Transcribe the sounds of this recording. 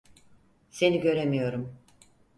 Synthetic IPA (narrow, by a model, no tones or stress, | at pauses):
se̞niɟø̞ɾemijo̞ɾum